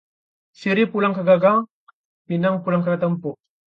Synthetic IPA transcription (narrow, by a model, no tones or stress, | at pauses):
siɾipulaŋkaɡaɡaŋ | pinaŋpulaŋkat̪əmpoʔ